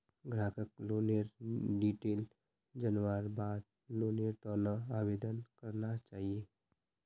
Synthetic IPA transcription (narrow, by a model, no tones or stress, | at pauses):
ɡɾaːkʰəkloːneɾɖiːʈeːl | d͡ʒənʋaːɾbaːd̪̚ | loːneɾt̪ɔnaaːʋeːd̪ənkəɾnat͡ʃaːɦieː